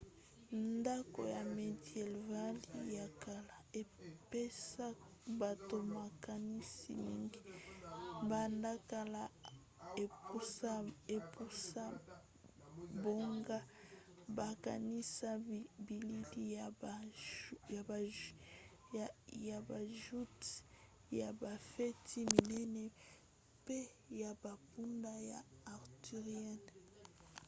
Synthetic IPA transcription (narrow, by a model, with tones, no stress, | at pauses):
nda˦ko̰˨ja˨me˨djɛ˨lva˦li˦ja˨ka˨la˨e˨pe˦sa˦ba˨to˨ma˨ka˨ni˦sḭ˨nḭ˦˨ŋɡi˦ | ba˨nda˦ka˨la˨ | e˨pu˦sa˦e˨pu˦sa˦ | bo˦ŋɡa˦ | ba˨ka˨ni˦sa˦bi˨li˦li˦˨ja˨ba˨ | ja˨ba˨ʒu˦t | ja˨ba˨fɛ˦tʰi˦mi˨nɛ˦nɛ˨ | pe˦ | ja˨ba˨pu˦nda˦ja˨a˨ʁti˨ʁjɛ˦˨n